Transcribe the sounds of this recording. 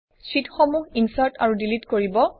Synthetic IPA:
sitxomuɦinsaɹta̰ɹudilitkoɹibɔ

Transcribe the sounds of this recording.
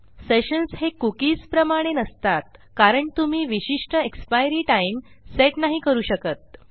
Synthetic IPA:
seɕənshekukiːspɾəmaɽ̃enəst̪at̪̚kaɾəɳt̪um̤iːʋiɕiʂʈəekspajɾiːʈaimseʈnaɦiːkəɾuːɕəkət̪̚

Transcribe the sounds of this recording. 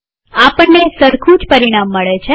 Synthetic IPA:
apəɳːesəɾkʰũd͡ʒpəɾiɽ̃amːəɭet͡ʃʰe

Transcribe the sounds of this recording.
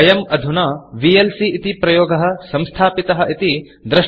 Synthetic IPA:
ɐjɐmɐd̪ʱunɐːʋielsiːt̪ipɾɐjoːɡɐɦɐ̆sɐ̃mst̪ʰaːpit̪ɐɦɐʔit̪i | d̪ɾɐʃ

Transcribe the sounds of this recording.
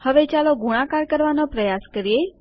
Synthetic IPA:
həʋet͡ʃaloɡuɽ̃ãkaɾkəɾʋanopɾəjaskəɾie

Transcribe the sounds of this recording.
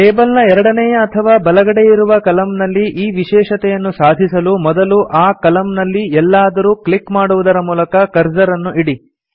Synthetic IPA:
ʈeːbɐlnɐɛɾɐɽɐnɛjɐːt̪ʰɐʋaːbɐlɐɡɐɽe̞jiɾuʋɐkɐlɐmnɐlːiʔiːʋiʃɛːʂɐt̪ɛjɐnːusaːd̪ʱisɐlumɔd̪ɐluʔaːkɐlɐmnɐlːiɛlːaːd̪ɐɾuːklikmaːɽuʋud̪ɐɾɐmuːlɐkɐkɐɾd͡ʒɐɾɐnːuʔiɽi

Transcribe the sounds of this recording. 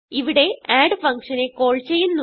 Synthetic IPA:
iʋiɽe̞aːɖɨfɐŋkʂɐne̞ko̞ːɭt͡ɕejːunːu

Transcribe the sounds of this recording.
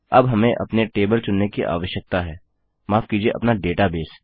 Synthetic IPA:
ɐbɦɐmẽʔɐ̰pneʈeːbəlt͡ʃʊnːekiʔa̰ːʋəʃjək̚t̪aɦɛː | maːfkid͡ʒieʔɐ̰pnaɖeːʈabeːs

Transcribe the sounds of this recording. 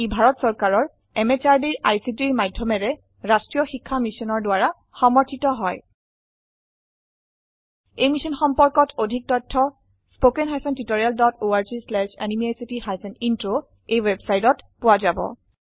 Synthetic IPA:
ibʱaɹɔtsɔɹkaɹɔɹ | ɛmet͡ʃaɹdiɹajsitiɹmadʱːɔmɛɹɛ | ɹastɹijɔxikʰːamisɔnɔɹdʊaɹa | xɔmɔɹtʰitɔɦɔj | ejmisɔnxɔmpɔɹkɔtʰodʱik̚tɔtʰːɔ | spokɛnɦajpʰɔntitoɹialdɔtoaɹzislɛʃɛnimiajsitihajpʰɛnintɹo | ejwebsajtɔtpʊwazabɔ̰

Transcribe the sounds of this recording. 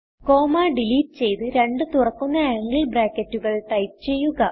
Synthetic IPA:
ko̞ːmaːɖiliːʈ̚ːɨt͡ɕe̞jt̪ɨɾe̞ɳɖɨt̪urɐkːunːɐaːŋɡiɭbraːkːɐtːuɣɐɭʈ̪ɐjpt͡ɕe̞jːuɣɐ

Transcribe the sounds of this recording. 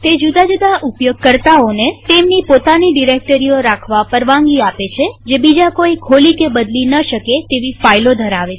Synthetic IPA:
t̪ed͡ʒud̪ad͡ʒud̪aʔupjoɡ̚kəɾt̪aonet̪emnipot̪aniɖiɾek̚ʈəɾioɾakʰʋapəɾʋãŋɡiapet͡ʃʰed͡ʒebid͡ʒakoikʰolikebəd̪linəʃəket̪eʋifailod̪ʱəɾaʋe

